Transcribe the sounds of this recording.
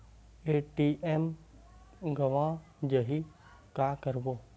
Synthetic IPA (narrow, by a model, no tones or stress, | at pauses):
eːʈiem | ɡɐʋã | d͡ʑɐɦi | kakɐɾboː